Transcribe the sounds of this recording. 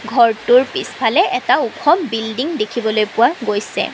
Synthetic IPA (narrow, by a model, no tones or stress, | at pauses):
ɡʱɔɹtʊɹpispʰalɛʔɛtaukʰɔmbildiŋdekʰibɔlojpʊwaɡojsɛ̰